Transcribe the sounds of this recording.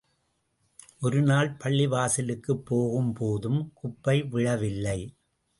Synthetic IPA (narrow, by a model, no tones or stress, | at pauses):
ʔɔɾɯnaːlpɐɭːɪʋaːsɪlɯkːɯpːoːɣɯmpoːðɯmkʊpːɐɪʋɪɻɐʋɪlːɐɪ